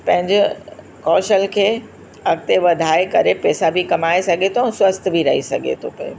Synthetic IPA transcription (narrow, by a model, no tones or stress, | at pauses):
pɐ̃ɦɪ̃ɲd͡ʑɪ | kɔːʃəlkʰeː | ɐɡ̚t̪eʋɐd̪ʱaːekɐɾepɛːsabʱikɐmaːesɐɡʱet̪ʰoɛ̃swɐst̪ʰbʱiɾɐɦisɐɡʱḛt̪ʰopɐḛ